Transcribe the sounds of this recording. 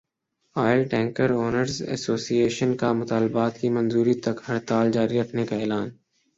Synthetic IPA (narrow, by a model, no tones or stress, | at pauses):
aːɪlʈɛ̃ːŋkəɾoːnəɾzɛ̰soːsieːʃənkamʊt̪aːlbaːt̪kimɐ̃nzuːɾit̪ɐkhɐɾt̪aːld͡ʒaːɾiɾɐkʰnekaɛːlaːn